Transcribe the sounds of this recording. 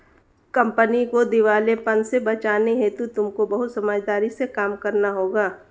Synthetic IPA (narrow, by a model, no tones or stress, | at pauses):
kɐ̃mpənikod̪ɪʋaːlepɐnsebɐt͡ʃaːneɦɛ̃t̪ut̪ʊmkobɐɦʊt̪sɐmad͡ʒd̪aːɾisekaːmkɐɾnaɦoːɡaː